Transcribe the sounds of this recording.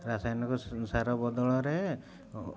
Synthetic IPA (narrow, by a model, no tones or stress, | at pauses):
ɾasajɔnɔkɔsaɾɔbɔd̪ɔɭɔɾe